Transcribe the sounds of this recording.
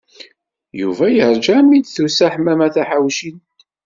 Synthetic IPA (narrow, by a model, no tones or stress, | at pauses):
jṵvæjəɾˤd͡ʒamid̪θusæħmæmæθæħawʃin